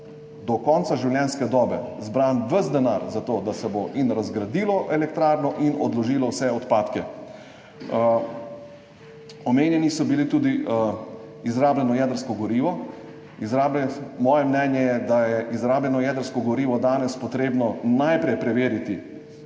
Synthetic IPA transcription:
d̪ɔkɔnt̪saʒiwljɛnskɛd̪ɔːbɛzbɾaːnʋəzd̪ɛnaɾzat̪oːd̪asɛboʔinɾazɡɾad̪iːlɔʔɛlɛk̚t̪ɾaːɾnɔʔinɔd̪lɔʒiːlɔwsɛɔt̪paːt̪kɛ | ɔmeːnjɛnisɔbilit̪uːd̪i | izɾaːblɛnɔjɛd̪əɾskɔɡɔɾiːʋɔ | izɾablɛmɔːjɛmnɛnjɛjɛd̪ajɛʔizɾaːblɛnɔjɛːd̪əɾskɔɡɔɾiːʋɔd̪aːnɛspɔt̪ɾeːbnɔnajpɾɛjpɾɛʋeːɾit̪i

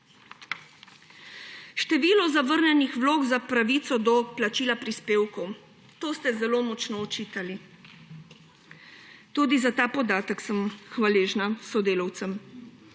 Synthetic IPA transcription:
ʃt̪ɛʋiːlɔzaʋəɾnɛnixʋloːɡzapɾaʋiːt̪sɔd̪ɔplat͡ʃiːlapɾispeːwkɔw | t̪oːst̪ɛzɛloːmɔt͡ʃnɔɔt͡ʃiːt̪ali | t̪uːd̪izat̪aːpɔd̪aːt̪əksəmxʋaleːʒnasɔd̪eːlaw̪səm

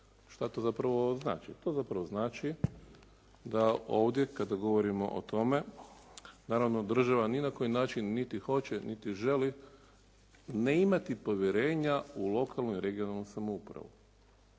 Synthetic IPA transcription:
ʃt̪at̪o̞zapɾaʋo̞zna̰ːt͡ʃḭt̪o̞ːzapɾaʋo̞znaːt͡ʃi | d̪ao̞ːʋd̪jekad̪aɡo̞ʋo̞ɾimo̞̰ʔo̰t̪o̞me̞ | naːɾaʋnod̪r̩ʒaʋaninako̞jinaːt͡ʃinːit̪ixo̞t͡ɕe̞nit̪iʒe̞li | ne̞imat̪ipo̞ʋje̞ɾe̞ːɲaulˠo̞kʰalˠnuiɾe̞ɡionalˠnusamoupɾa̰ʋṵ

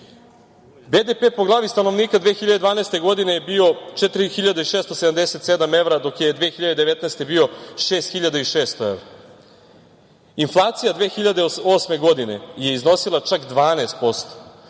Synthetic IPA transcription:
bed̪epeːpo̞ɡlˠaːʋist̪ano̞ʋniːkad̪ʋeːxiʎad̪ed̪ʋaːneːst̪e̞ɡo̞d̪ine̞jebio̞t͡ʃet̪ɾixiʎad̪aiʃeːst̪ose̞d̪amd̪eset̪sed̪ame̞ʋɾad̪o̞kje̞d̪ʋeːxiʎad̪ed̪eʋet̪naːst̪e̞bio̞ʃeːst̪xiʎad̪aiʃeːst̪oe̞̰ʋɾa | inflˠaːt̪sijad̪ʋeːxiʎad̪eo̞ːsme̞ɡo̞d̪ine̞je̞izno̞silˠat͡ʂakd̪ʋaːneːst̪̚po̞st̪o̥

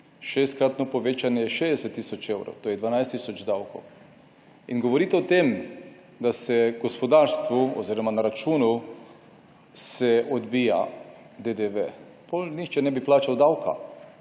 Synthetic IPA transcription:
ʃest̪̚kɾat̪nɔpoʋet͡ʃanjɛjɛʃed̪ɛsɛt̪ːiːsɔt͡ʃewɾo̰wt̪oːjɛd̪ʋaːnajst̪isɔd͡ʒd̪awkow | inɡoʋoɾiːt̪ɛɔt̪em | d̪asɛɡospɔd̪aɾst̪ʋuɔ̰ziɾɔmanaɾat͡ʃuːnu | sɛod̪biːja̰ | d̪ed̪eʋe | polnixt͡ʃɛnɛbiplaːt͡ʃawd̪awka̰

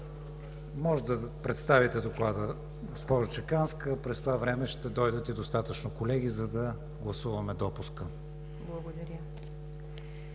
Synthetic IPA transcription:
mɔʒd̪ɐpɾɛt̪st̪avit̪ɛd̪oklˠad̪ə | ɡospɔʒot͡ʃɛkanskəpɾɛst̪ovavɾɛmɛʃt̪ɛd̪ɔjd̪ət̪id̪ost̪at̪ət͡ʃnokolɛɡ̟izɐd̪ɐ | ɡlˠɐsuvɐmɛd̪ɔpuskə | blˠɐɡod̪ɐɾʲjə

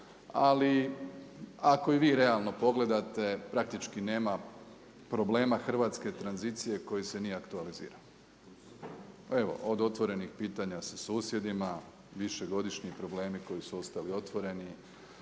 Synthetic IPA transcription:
ali | ako̞iʋiːɾe̞alˠno̞po̞ɡle̞d̪at̪e̞pɾak̚t̪it͡ʃkine̞ːma | pɾo̞ble̞ːmaxr̩ʋaːt̪ske̞t̪ɾanzit̪sije̞ko̞jise̞nijeakt̪ualizḭːɾao | e̞ʋo̞̰ʔod̪o̞t̪ʋo̞ɾe̞nixpiːt̪aɲasasuːsje̞d̪ima | ʋiʃe̞ɡo̞d̪iʃɲipɾo̞ble̞ːmiko̞jisuo̞st̪alio̞t̪ʋo̞ɾe̞ni

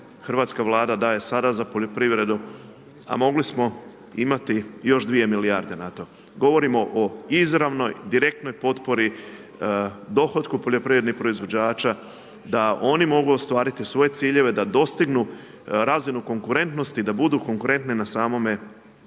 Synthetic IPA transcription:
xrʋaːt̪skaʋlˠaːd̪ad̪aje̞sad̪azapo̞ʎo̞pɾiʋɾe̞d̪u | a̰mo̞ɡlismo̞ | imat̪ijo̞ʒd̪ʋije̞miliaɾd̪e̞nat̪o̞ | ɡo̞ʋo̞ɾimo̞ʔoizɾaʋno̞jd̪iɾe̞k̚t̪no̞jpo̞t̪po̞ɾi | d̪o̞xo̞t̪kupo̞ʎo̞pɾiʋɾed̪nixpɾo̞izʋo̞d͡ʑaːt͡ʃa | d̪ao̞nimo̞ɡuost̪ʋaːɾit̪isʋo̞je̞t̪siːʎe̞ʋe̞d̪ad̪o̞st̪iɡnu | ɾazinuko̞ŋkuɾe̞nt̪no̞st̪id̪abud̪uko̞ŋkuɾe̞nt̪ninasaːmo̞me̞

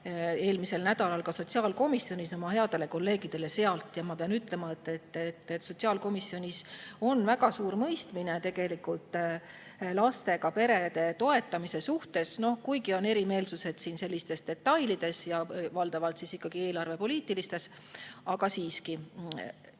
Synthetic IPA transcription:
e̞ːlmise̞lnæd̪̥ɑlɑlkɑso̞t̪ʲsiɑːlko̞misːjo̞nʲiso̞mɑhe̞ɑd̪̥e̞le̞ko̞lːe̞ːɡ̥id̪̥e̞le̞se̞ɑlt̪ˑjɑmɑpeɑnyt̪ˑle̞mɑet̪ːˑet̪ːet̪ːet̪so̞t̪siɑːlko̞misːjo̞nʲiso̞nvæɡɑsuːɾmɤjst̪minet̪e̞ɡ̥e̞likult̪ˑ | lɑst̪e̞ɡɑpe̞ɾe̞d̪e̞t̪o̞e̞t̪ːˑɑmise̞suht̪e̞sno̞hkujɡio̞ne̞ɾime̞ːlsuse̞d̪̥siːnse̞lːist̪e̞sd̪̥e̞t̪ːɑjlid̪̥e̞sjɑvɑld̪̥ɑvɑlt̪sisikːɑɡ̥ie̞ːlɑrve̞po̞liːt̪ːˑilist̪e̞s | ɑɡɑsiːski

